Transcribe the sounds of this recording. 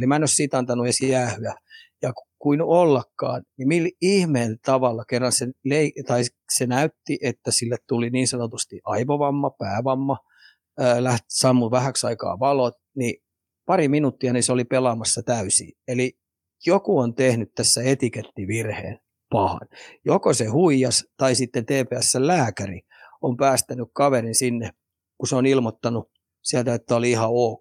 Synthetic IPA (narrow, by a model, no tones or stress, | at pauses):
limænːøssiːt̪ɑnt̪ɑnuesijæːhyæjɑkukuinuolːɑkːɑ̰ːnnimilihmeːnt̪ɑʋɑlːɑkerːɑnseleit̪ɑis | senæyt̪ːiʔet̪ːæsilːet̪t̪uliniːnsɑnot̪ust̪iʔɑiʋoʋɑmːɑpæːʋɑmːɑ | øːlæht̪i̥sɑmːuʋæhæksɑikɑ̰ːʋɑlot̪ | ni | pɑriminut̪ːiɑniseolipelɑmɑsːɑt̪æysḭeli | jokuont̪ehnyt̪t̪æsːæet̪iket̪ːiʋirhḛːn | pɑhɑ̰njokosehuijɑst̪ɑisit̪ːent̪eːpeæsːellæːkærḭ | ompæːst̪ænykkɑʋerinsinːe | kuseonilmot̪ːɑnu | siælt̪æet̪ːæoliihɑoːk